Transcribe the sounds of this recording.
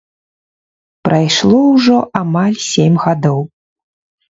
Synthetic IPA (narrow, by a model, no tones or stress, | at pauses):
pɾajʂlˠɔwʐɔʔamalʲsʲemʲɣad̪ɔw